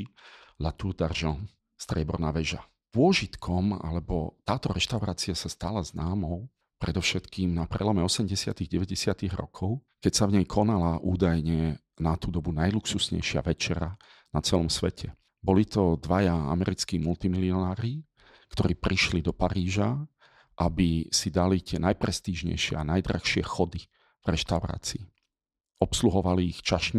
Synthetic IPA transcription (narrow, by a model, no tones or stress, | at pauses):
lat̪urd̪arʒɔn | st̪ɾɪɛbɔ̰ɾnaːʋɛʒa | pʊɔʒit̪kʰɔma̰lɛbɔt̪aːt̪ɔɾɛʃt̪aʊɾaːt͡siasast̪alaznaːmɔʊ | pɾɛd̪ɔfʃɛt̪kiːmnapɾɛ̰lɔmɛɔsɛmɟɛsɪat̪iɣɟɛʋɛɟɛsɪat̪iɣɾɔ̰kʰɔʊ | kɛcsavɲɛjkʰɔnalaʔuːd̪ajɲɛ | nat̪uːd̪ɔbunajluksusɲɛ̰jʃɪa̰ʋɛt͡ʃɛɾa | nat͡sɛlɔmsʋɛcʰɛ | bɔlit̪ɔd̪ʋajaa̰mɛɾit͡skiːmult̪imiliɔnaːɾi | kt̪ɔɾiːpɾiʃlid̪ɔpaɾiːʒa | ʔabisid̪alit̪ɪɛnajpɾɛst̪iːʒɲɛ̰jʃɪɛ̰anajd̪ɾa̰xʃɪɛxɔd̪i | vɾɛʃt̪aʊɾa̰ːt͡sii | ɔpsluɦɔʋaliːxt͡ʃaʃɲ